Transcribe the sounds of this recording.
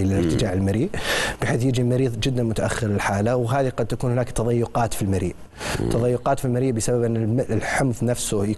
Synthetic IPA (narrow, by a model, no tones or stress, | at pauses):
lɪlɪɾt̪ɪd͡ʒaːʕɪlmaɾiːʔb̥ɪħeːθjɪd͡ʒimaɾiːðˤd͡ʒɪd̪ːanmʊt̪aʔaxːɪɾlɪlħaːlawɦaːðiqɑd̪̚t̪akuːnhʊnaːkt̪ɑðˤɑjːʊqɑːt̪filmaɾḭːʔ | t̪ʰːɑðˤɑjːʊqɑːt̪filmaɾiːʔbɪsababʔɪnːɪlħʊmðˤnafsʊja